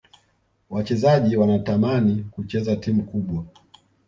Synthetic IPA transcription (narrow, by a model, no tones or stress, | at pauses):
wat͡ʃɛzaʄiwanatamanikut͡ʃɛzatimukuɓwa